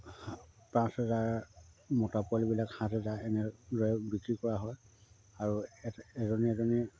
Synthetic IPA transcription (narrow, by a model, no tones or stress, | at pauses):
hpɹãsɛzaɹmɔtapalibilakhãtɛzaɹɛnɛɹɔjɛbikɹikɔɹaɦɔj | aɹuɛɛzɔnɛɛzɔnɛ